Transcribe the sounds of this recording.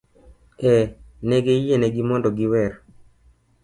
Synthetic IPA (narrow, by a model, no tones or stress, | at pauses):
ɛneɡeijeneɡimɔndɔɡiwɛr